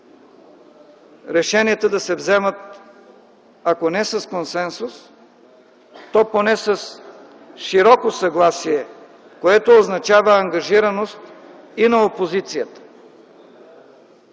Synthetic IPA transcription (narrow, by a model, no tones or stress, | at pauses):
ɾɛʃɛniət̪əd̪ɐsɛvzɛmət̪ | ɐkonɛsɐskonsɛnsus | t̪ɔponɛsɐs | ʃiɾɔkosɐɡlˠasiɛ | koɛt̪oːznɐt͡ʃavəːŋɡɐʒiɾɐnost̪ | inɐopozit̪sijət̪ə̥